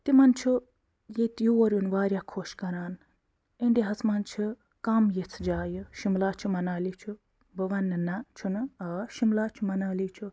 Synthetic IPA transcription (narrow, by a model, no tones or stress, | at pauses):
t̪imɐnt͡ʃʰu | jet̪juɐɾʲunʋaːɾʲjaːkʰoːʃkɐɾaːn | eɳɖiɦɐt͡smɐnt͡ʃʰu | kamjet͡sʰd͡ʒaːjɨʃimlaːt͡ʃʰumɐnaːlit͡ʃʰu | bɐʋɐnːɨnat͡ʃʰunɐʃimlaːt͡ʃʰumɐnaːlit͡ʃʰu